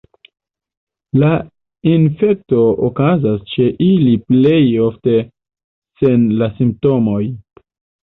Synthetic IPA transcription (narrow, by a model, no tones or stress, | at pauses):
la | infe̞k̚to̞okazast͡ʃe̞ʔiliple̞jo̞fte̞ | se̞nlasimp̚to̞mo̞j